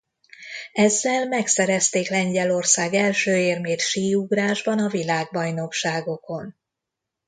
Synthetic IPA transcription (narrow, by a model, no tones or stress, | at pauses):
ɛzːɛlmɛksɛɾɛst̪eːklɛɲɟɛlo̞rsaːɡɛlʃøːeːrmeːt̪ʃiːuɡraːʒbɒnɒvilaːɡ̚bɒjno̞kʃaːɡo̞ko̞n